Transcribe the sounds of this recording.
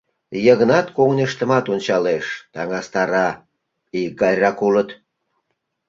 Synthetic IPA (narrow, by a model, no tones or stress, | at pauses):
jəɣənɑt̪koŋnʲəʃt̪ə̆mɑt̪onʲt͡ɕɑleʃt̪ɑŋɑst̪ɑɾɑ | iɡɑjʲrɑkulət̪